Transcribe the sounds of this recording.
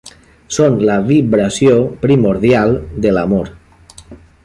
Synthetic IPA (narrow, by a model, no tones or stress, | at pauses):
sonlaβiβɾasjopɾimoɾðjalˠd̪elamoɾ